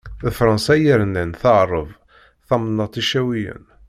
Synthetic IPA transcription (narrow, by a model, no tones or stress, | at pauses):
ðəfɾˤɑnsæjəɾnænθəʕɾˤəv | θɑmnːət̪ˤiʃæwijə̰n